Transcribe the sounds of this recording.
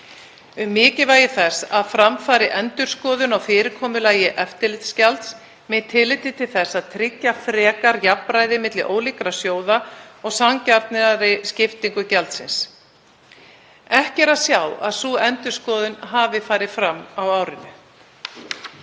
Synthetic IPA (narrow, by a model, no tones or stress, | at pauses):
ʏmːɪːcɪvaːjɪθɛsaðfɾamfaːɾɪʔɛnt̪ʏɾ̥skɔːðʏnawfɪːɾɪɾkʰɔːmʏlaːjɪʔɛft̪ɪlɪt̪scalt̪s | mɪt̪ʰːɪlɪːt̪ɪt̪ʰɪlθɛsːaðt̪ʰɾɪcːafɾɛːkaɾjapmɾaːjðɪmɪt̪lɪʔoːwlɪkɾasjoːwðaɔɣsamcaɾt̪nɪɾaɾɪscɪft̪iŋkʏcɛlt̪sɪns | ɛhcɛɾaðsjawa̰ðsuːɛnt̪ʏɾ̥skɔːðʏnɦaːvɪfaːɾɪðfɾamːawawɾɪnʏ